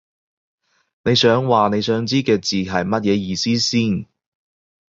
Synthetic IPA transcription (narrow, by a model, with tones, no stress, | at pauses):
ne˨˧jsœː˨˥ŋwaː˨ne˨˧jsœː˨˥ŋt͡siː˥kɛː˧t͡siː˨˩ɦɐ˨jmɐ˥t̚jɛː˨˧jiː˨˧siː˥siː˥˩n